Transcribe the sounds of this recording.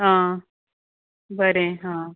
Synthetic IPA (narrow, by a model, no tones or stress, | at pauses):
ɦãː | bəɾẽɦãː